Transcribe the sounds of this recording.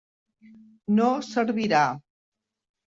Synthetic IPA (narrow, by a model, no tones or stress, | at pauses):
nosəɾβiɾa